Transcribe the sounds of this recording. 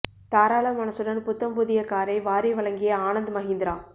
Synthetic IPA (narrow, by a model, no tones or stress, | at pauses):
t̪aːɾaːɭɐmɐnɐsɯɽɐnpʊt̪ːɐmbuðɪjɐkːaːɾɐɪʋaːɾiʋɐɭɐŋɡɪjɐaːnɐnd̪ɯmɐɦɪnd̪ɪɾaː